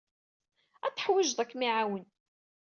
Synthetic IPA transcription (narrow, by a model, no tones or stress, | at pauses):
æθə̥ħwɪʒðˤækːmiʕawən